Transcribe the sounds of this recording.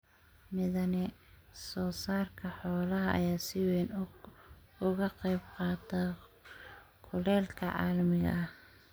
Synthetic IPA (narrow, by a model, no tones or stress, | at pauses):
mɪðɐnɪsɔːsaːrkʰɐħɔːlɐɦɐʔɐ̰jaːsɪwɛːn | ʊɣɐqɛjbqɑːt̪ʰɐ | kʰʊlɛːlkʰɐʕɑ̰ːlmɪɣɐ̰ɐh